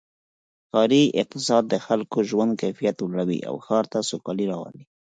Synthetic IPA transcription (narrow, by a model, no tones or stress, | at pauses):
xɑɾiɪq̚t̪ɪsɑd̪̚ːəxalkoʒwand̪̚kajfijat̪wlaɽawḭʔa̰wxɑɾt̪asokɑliɾɑwɑ̰ni